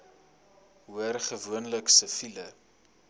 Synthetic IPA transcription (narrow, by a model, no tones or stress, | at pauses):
ɦuərχəvuənləksəfilə